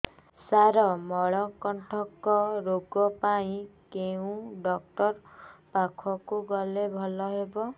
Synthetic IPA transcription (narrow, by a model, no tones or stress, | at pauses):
saɾɔmɔɭɔkɔɳʈʰɔkːɔɾoɡɔpaĩkeũɖɔk̚ʈɔɾpakʰɔkuɡɔlebʱɔlɔɦebɔ